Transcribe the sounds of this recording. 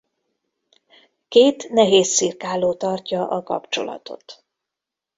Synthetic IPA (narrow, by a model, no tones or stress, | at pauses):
keːt̪nɛɦeːsːirkaːloːt̪ɒrcɒʔɒkɒ̰pt͡ʃo̞̰lɒ̰t̪o̞̰t̪